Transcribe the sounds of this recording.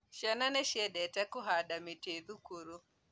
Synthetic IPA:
ʃɛnaneʃedetakuɦadamiteðukuɾu

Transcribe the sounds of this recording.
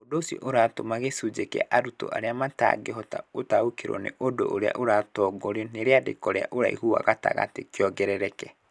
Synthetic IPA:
odosjɔ̰ʔoɾatomaɣesud͡ʒekḛa̰ʔaɾuto̰ʔa̰ɾeamata̰ɡeɦɔta̰otaokeɾɔ̰nḛʔodo̰ʔoɾea̰ʔoɾatɔɡɔɾeneɾeadḛkɔɾea̰ʔoɾa̰ihua̰ɣata̰ɣa̰tekjɔɡɛɾɛɾɛkɛ

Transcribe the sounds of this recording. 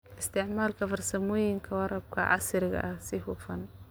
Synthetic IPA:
ʔɪst̪ʰɪʕmaːlkʰɐfɐrsɐmɔːjɪŋkʰɐwɑɾɐb̚kʰɐ̰ʕɑ̰sɪɾɪɣɐ̰ʔɐhsɪhʊːfɐn

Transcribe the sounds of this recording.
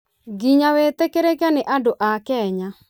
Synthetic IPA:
ɡiɲawet̪ekeɾekanɪʔadoʔakɛɲa

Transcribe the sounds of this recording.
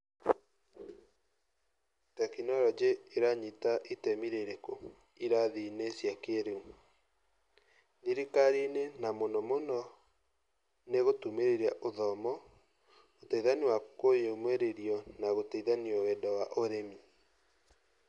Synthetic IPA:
takinɔɾɔd͡ʒeːɾaɲitaʔitɛmiɾeɾeko | iɾaðinesjakeɾeu | niɾikaɾinenamonɔmonɔ | neɣotumeɾeɾaʔoðɔmɔ | otaiðaniwakojeomweɾeɾiɔnaɣotaiðanioɣɛdɔwaʔoɾemi

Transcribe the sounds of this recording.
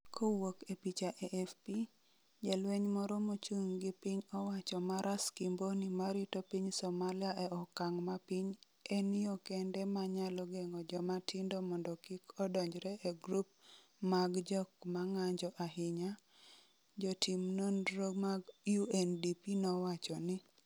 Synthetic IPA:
kʰowokepit͡ʃaʔɛʔɛfpi | d͡ʒalweɲmɔɾɔmot͡ʃuŋɡɪpiɲɔwat͡ʃɔmaɾʔaskimbonimaɾɪtopiɲsɔmalɪaʔɛɔkaŋmapiɲ | ɛnɪɔkɛndɛmaɲalɔɡɛŋɔd͡ʒɔmatʰɪndɔmɔndɔkikɔdɔɲd͡ʒɾɛʔɛɡɾup̚ | maɡd͡ʒɔkmaŋaɲd͡ʒɔʔaɦɪɲa | d͡ʒɔtʰimnonɾomaɡjuɛndipinɔwat͡ʃɔnɪ

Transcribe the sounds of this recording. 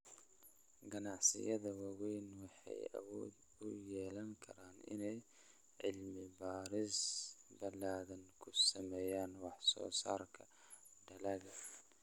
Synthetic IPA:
ɡɐnɑʕsɪ̰jɐðɐwɐwɛjnwɑħɑ̰jɐ̰wɔːd̪ | ʊjɛːlɐŋkʰɐɾaːnɪ̰nɛj | ʕɪlmɪbaːɾɪsbɐlaːðɐnkʰʊsɐmɛːjaːnwɑħsɔ̰ːsa̰ːrkʰɐ | ɖɐlɐɣɐ

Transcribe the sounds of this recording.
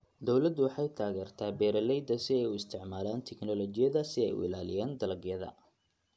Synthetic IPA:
d̪ɔwlɐd̪ʊwɑħɑjt̪ʰaːɣɛːrt̪ʰaːbɛːɾɐlɛjd̪ɐsɪɛjʊɪst̪ʰɪʕmaːlaːnt̪ʰɛknɔlɔt͡ʃɪjɐðɐsɪɛjʊ̰ɪ̰laːlɪjaːnd̪ɐlɐɡjɐðɐ̰

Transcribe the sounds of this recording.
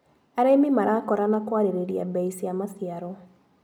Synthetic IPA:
aɾamimaɾakɔɾanakwaɾeɾeɾiabɛisiamasiaɾɔ

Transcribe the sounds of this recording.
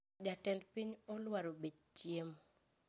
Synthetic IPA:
d͡ʒatɛndpiɲɔlwaɾobed͡ʒt͡ʃjem

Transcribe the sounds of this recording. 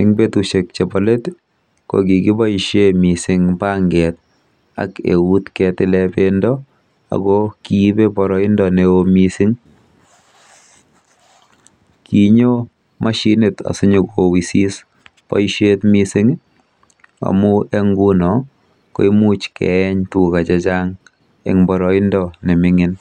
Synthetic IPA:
ɪŋbetuʃek̚t͡ʃebɔlet | ko̰ɡikibaiʃemisɪŋpaŋɡɛt̪̚ | a̰kḛwutkɛtɪlɛpendɔ | a̰ɡɔkibebɔɾɔɪndɔneomisiŋ | kiɲo | maʃineta̰sʊɲokowisis | pɔ̰jʃetmisiŋ | a̰mueŋɡunɔ | ko̰imut͡ʃkʰɛ̰ɛɲtukat͡ʃat͡ʃaŋ | ḛŋbɔɾɔindɔnemɪŋɪn

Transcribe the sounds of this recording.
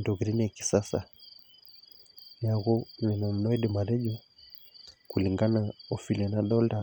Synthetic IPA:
ndɔɣɾɛnijaki̥sasa | jaɣunɛnam̩nɔiɗimaɾɛʄɔ | kuliŋɡanaɔfilɛnaɗɔlda

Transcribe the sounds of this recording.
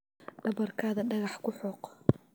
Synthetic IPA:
ɖ̥ɐβɐrkʰaːðɐɖɐɣɑħkʰʊħɔːq

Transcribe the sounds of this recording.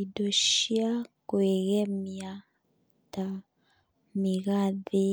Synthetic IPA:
idoʃiakweɣɛmia | ta | miɣaðe

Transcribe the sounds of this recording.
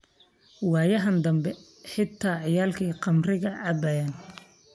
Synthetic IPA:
wɑːjɐɦɐnd̪ɐmbɛ | ħɪt̪ʰːaːʕɪjaːlkʰiːqɑmrɪɣɐʕɐbɐjaːn

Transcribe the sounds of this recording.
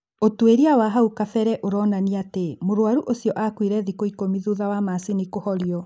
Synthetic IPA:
otweɾiawaɦaukafɛɾɛʔoɾɔnaniatemoɾwaɾuʔosjɔʔakwiɾɛðikoikomiðuðawamasinikohɔɾiɔ

